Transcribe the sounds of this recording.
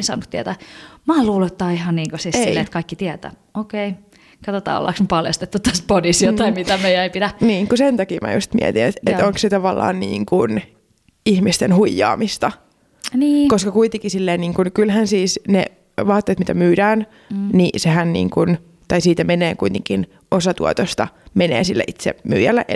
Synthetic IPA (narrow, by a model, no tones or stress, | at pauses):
nsɑ̰nut̪iæt̪æːmɑːluːluet̪ːɑːihɑnniːŋkosiːsesillːeːt̪kɑikːit̪iæt̪æ̰ː | okei | kɑt̪ot̪ɑ̰ːo̰lːɑ̰ksmepɑljɑ̰st̪et̪ːut̪ːæspodisjoɑimit̪æmeijæeipit̪æniːkusent̪ɑkiːmæ̰jṵst̪mḭɛ̰t̪inḛt̪et̪oŋkset̪ɑʋɑlːɑ̰ːnnḭːŋkun | ihmist̪enhuijːɑ̰ːmist̪ɑ | niːkoskɑkuit̪eŋkisilːeːniːŋkunkylhænsiːsnḛ | ʋɑːt̪ːeːt̪mit̪æmyːdæːn | niseɦænnḭːŋkun | t̪ɑjsiːt̪æmeneːkujt̪eŋkin | ʔosɑt̪ṵo̰t̪ost̪ɑ̰menḛːsilːæ̰ʔit̪sḛmy̰ːjælːæ̰ʔ